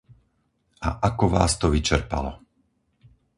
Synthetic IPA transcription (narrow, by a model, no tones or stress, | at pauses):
a̰ʔakɔʋa̰ːst̪ɔʋit͡ʃɛɾpa̰lɔ